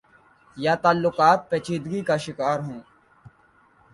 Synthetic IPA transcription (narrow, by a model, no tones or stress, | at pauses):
jaːt̪aːlːʊkaːt̪̚peːt͡ʃiːd̪ɡikaʃɪkaːɾɦõː